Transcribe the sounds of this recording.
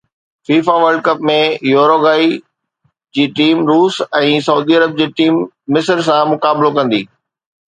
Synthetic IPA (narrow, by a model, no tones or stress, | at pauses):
fiːfaʋəɾɖ̚kɐpmẽjoːɾoːɡaːi | d͡ʑiːʈiːmɾuːsɛ̃ːsɐuːd̪iɐɾəb̚d͡ʑeːʈiːmː | ɪsəɾsãmʊkaːblokɐ̃nd̪iː